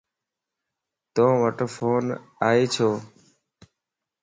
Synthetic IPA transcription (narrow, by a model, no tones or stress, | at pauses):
t̪õːʋəʈofoːnaːɦeːt͡ʃʰoː